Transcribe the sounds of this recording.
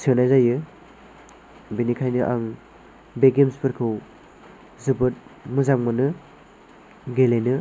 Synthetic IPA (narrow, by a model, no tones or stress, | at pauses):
sʰɯnajzajɯ | binikʰajnɯʔa̰ŋ | beɡemspʰɯɾkʰɯw | zɯbɯt̚mɯzaŋmɯnɯ | ɡelenɯ